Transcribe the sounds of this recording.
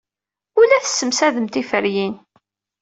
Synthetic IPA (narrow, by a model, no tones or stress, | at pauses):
ʊlæθə̥sːəmsæðəmt̪ifəɾjin